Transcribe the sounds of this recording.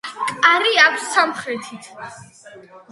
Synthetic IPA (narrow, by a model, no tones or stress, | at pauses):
kʼaɾiakʷʰsːamχɾɛt̪ʰit̪ʰ